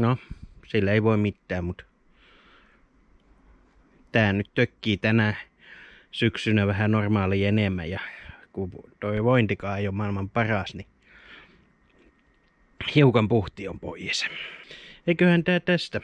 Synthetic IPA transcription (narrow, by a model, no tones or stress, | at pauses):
nosilːæeiʋoimmit̪ːæːmmut̪ | t̪æːnnyt̪t̪økːiːt̪ænæ | syksynæʋæhænormɑːliːenemːæ̰jɑkut̪oiʋoint̪ikɑːeijomɑˑilmɑmpɑrɑˑsni | hiukɑmpuht̪iompo̰ijes | eikøhænt̪æːt̪æst̪æ